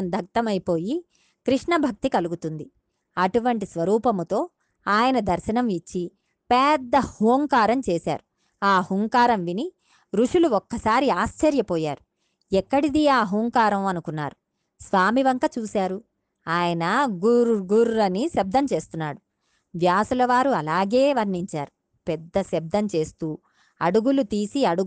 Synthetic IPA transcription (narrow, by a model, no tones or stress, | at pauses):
ɐnd̪ʱɐk̚t̪ɐmɐjpo̞ːji | kɾiʂɳɐbʱɐk̚t̪ikɐluɡut̪und̪i | ɐʈuʋɐɳʈisʋɐɾuːpɐmt̪o̞ː | aːjɐnɐd̪ɐɾʃɐnɐmit͡ʃːi | pɛːd̪ːɐhuːŋkaːɾɐmt͡ʃeːsa̰ːɾu | aːhuŋkaːɾɐmʋini | ɾuʂuluɔkːɐsaːɾiaːst͡ʃɐɾjɐpɔːjaːɾu | ɛkːɐɽid̪iaːɦuːŋkaːɾɐmɐnukunːa̰ːɾu | sʋaːmiʋɐŋkɐt͡ʃuːsaːɾu | aːjɐnɐɡuɾɡuɾɐniʃɐb̚d̪ʱɐmt͡ʃe̞ːst̪unːa̰ːɽu | ʋjaːsulɐʋaːɾuɐlaːɡe̞ːʋɐɾniɲt͡ʃa̰ːɾu | pɛd̪ːɐsɐb̚d̪ɐmt͡ʃe̞ːst̪uː | ɐɽuɡulut̪iːsiɐɽu